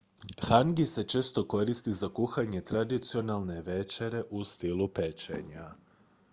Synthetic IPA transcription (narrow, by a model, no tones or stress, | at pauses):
xaŋɡise̞t͡ʃe̞ːst̪o̞ko̞ɾist̪izakuxaɲe̞t̪ɾad̪it̪sio̞nalˠne̞ʋe̞t͡ʃe̞ɾe̞ʔust̪ilupe̞t͡ʃḛɲa